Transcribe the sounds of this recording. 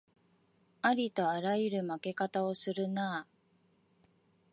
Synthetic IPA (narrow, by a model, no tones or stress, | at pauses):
aɾʲit̪o̞aɾajɯɾɯ̟make̞kat̪ao̞sɨɾɯ̟naː